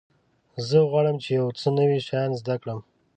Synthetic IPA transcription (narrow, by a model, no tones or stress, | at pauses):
zəɣwɑɽəmt͡ʃejawt͡sənəwiʃajnzd̪akɽəm